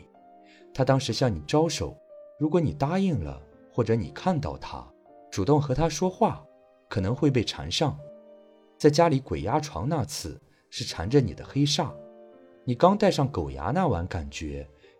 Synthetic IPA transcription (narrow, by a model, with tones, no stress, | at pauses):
t̪ʰa˥t̪ɑ˥ŋʂɻ̩˧˥ɕjɑ˥˩ŋni˨˩ʈ͡ʂɑ˥ʊʂo˨˩˦ʊɻu˧˥kwɔ˧˥ni˨˩t̪a˥i˥˩ŋlə̰˩ | xwɔ˥˩ʈ͡ʂɤ˧˥nḭ˨˩kʰa˥˧nt̪ɑ̰˥˩ʊt̪ʰa̰˥ | ʈ͡ʂu˨˩t̪ʊ˥˩ŋxɤ˧˥t̪ʰa˥ʂwɔ˥xwa˥˩ | kʰɤ˨˩nɤ˧˥ŋxwe˥˧ɪp̬e˥˩ɪʈ͡ʂʰa̰˧˥nʂɑ˥˩ŋ | t͡sa˥˩ɪt͡ɕja˥li˧˥kwe˨˩ɪja˥ʈ͡ʂʰwɑ̰˧˥ŋna˥˧t͡sʰɹ̩˥˩ | ʂɻ̩˥˩ʈ͡ʂʰa˧˥nʈ͡ʂə˧ni˨˩d̪ə̰˦xe˥ɪʂa˥˩ | ni˨˩kɑ˥ŋt̪a˥˧ɪʂɑ˥˩ŋko˨˩ʊja̰˧˥na˥˩wa̰˧˥nka˨˩nt͡ɕɥɛ̰˧˥